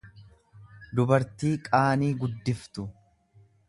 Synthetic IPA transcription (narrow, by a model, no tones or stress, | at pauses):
d̪ʊbɐɾt̪iːkʼaːniːɡʊd̪ːɪft̪ʊ